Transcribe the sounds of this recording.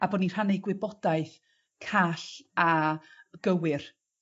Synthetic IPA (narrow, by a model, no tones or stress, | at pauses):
aboːdnir̥haneɡwɪbɔdaɨθ | kʰaɬa | ɡ̥əwɪr